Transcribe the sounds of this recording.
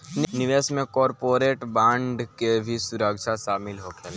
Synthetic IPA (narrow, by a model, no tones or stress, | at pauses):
nɪʋeːsmẽkɔːɾpoːɾeːʈbãːɳɖkebʱisʊɾəkʃʰaʃaːmɪlɦokʰe